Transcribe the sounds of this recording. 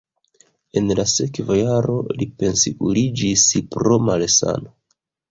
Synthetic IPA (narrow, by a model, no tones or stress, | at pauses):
e̞nlase̞kvajaɾo̞lipe̞nsikulid͡ʒispɾo̞malesa̰no